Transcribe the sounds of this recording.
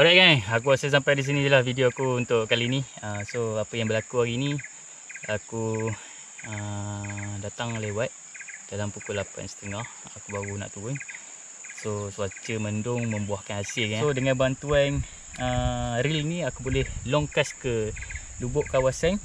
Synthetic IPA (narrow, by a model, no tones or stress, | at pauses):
aɾaʔkanak̬uasəs̬ampajdis̬inilahfidioakuunt̪ʊʔkaliniəsoapəjaŋbəlakuaɡini | aku | ə | dat̪aŋlewat̪̚ | d̥alampukʊlapa̰nsə̥t̪əŋah | akubaɣuna̰ʔt̪uʊn | sosuat͡ʃəməndʊŋmə̃mbuahkanasɪlkaodəŋãnbant̪uan | ərilnĩakubolɛhlɔŋkaskə | dubʊʔkawasan